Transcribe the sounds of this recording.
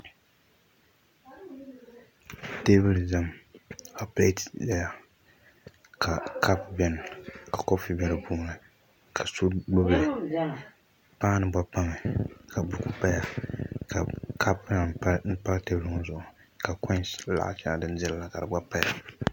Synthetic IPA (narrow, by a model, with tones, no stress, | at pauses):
te˦bɨ˦lza˦mka˨pe˦tza˦ja˨ | ka˨kʰa˦pbɛ˦n˨ka˨ko˦fi˨bɛ˦lɨ˨puː˦nɨ˨ | kʰa˨so˦dʊ˦blɨ˨ | pa˦nɨ˨ba˦pa˦ŋɛ˨ka˨bʊ˨˦ku˦pa˦ja˨ka˨ka˦pa˨˦n̩˦pa˦ɣte˦bɨ˦lɨ˦ŋɔ˦zʊ˨ʔʊ˨ | ka˨kɔ˦sla̰˨ʔt͡ʃa˦a˨dɨ˦n˦dɛ˦lla˨ka˨dɨ˨ba˦pa˦ja˨